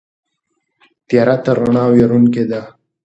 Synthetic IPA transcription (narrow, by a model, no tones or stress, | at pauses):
t̪jɑɾat̪əɾaɳɑweɾunked̪a